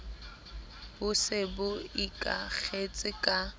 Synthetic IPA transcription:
bʊsɪbʊikʼa̰k͡xʰet͡sʼɪkʼa

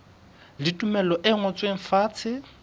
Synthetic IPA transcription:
lɪtʼumɛlɔʔɪŋɔt͡sʼweŋ̩faːt͡sʰɪ

